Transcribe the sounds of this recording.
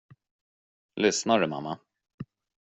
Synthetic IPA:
lʏsnaɖɵma̰mːa

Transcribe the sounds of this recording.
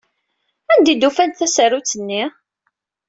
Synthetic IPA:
ænd̪id̪ufænt̪θæsæɾut͡sːənːi

